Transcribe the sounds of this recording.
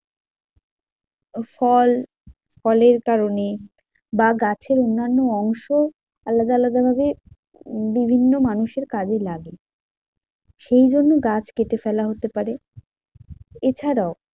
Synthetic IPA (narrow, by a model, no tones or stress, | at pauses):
fɔl | fɔleɾkaɾone | baɡat͡ɕʰeɾonːanːoɔŋʃo | alːad̪aalad̪abʱabe | bibʱinːomanuʃeɾkad͡ʑelaɡe | ʃejd͡ʑonːoɡat͡ɕʰkeʈefɛlaɦot̪epaɾe | et͡ɕʰaɾao